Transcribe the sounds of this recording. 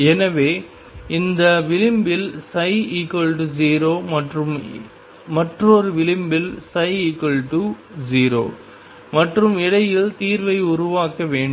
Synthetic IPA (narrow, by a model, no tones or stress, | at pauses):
ɛnɐʋeː | ɪnd̪ɐʋɪlɪmbɪlsɐɪiːkɐɭʈ̬ud͡ʒiːɾoːmɐʈrɯm | mɐʈroːɾɯʋɪlɪmbɪlsɐɪiːkɐlʈu | d͡ʒiːɾo̰ː | mɐʈrɯmɪɽɐjɪlt̪iːɾʋɐɪʊɾʊʋaːkːɐʋeːɳɖɯ